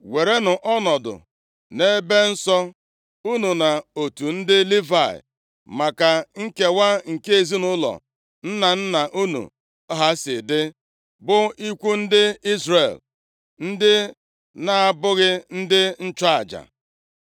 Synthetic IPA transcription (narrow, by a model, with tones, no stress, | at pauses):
we˨ɾe˦nʊ˨ʔɔ˦nɔ˨dʊ̰˨ | ne˦be˦n̩˦sɔ˦ | u˦nu˨na˨o˨tu˨n̩˦dɪ˦li˦va˦˨ɪ̰˨ | ma˨ka˨ŋ̩˦ke˨wa˦ŋ̩˨ke˦e˨zi˦nʊ˦lɔ̰˨ | n̩˦na˨n̩˦na˨ʔu˦nṵ˨˦ | ɦa˦sɪ˨dɪ˦ | bʊ˦i˦kʷu˦n̩˦dɪ˦i˦zre˨l | n̩˦dɪ˦ | na˦a˦˨bʊ˦ɣɪ˦n̩˦dɪ˦n̩˦t͡ʃa˦a˨d͡ʒa̰˨